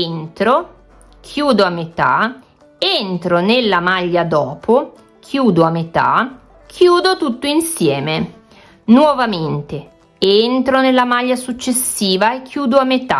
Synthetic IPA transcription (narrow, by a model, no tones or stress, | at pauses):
ent̪ɾo | kʰjuːd̪oamːet̪a̰ | ent̪ɾonelːamaʎːad̪ɔːpʰo | kʰjuːd̪oamːet̪a̰ | kʰjuːd̪ot̪ut̪ːoinsjɛːme | nwɔvament̪e | ent̪ɾonelːamaʎːasut͡ʃːesːiːvaekʰːjuːd̪oamːet̪a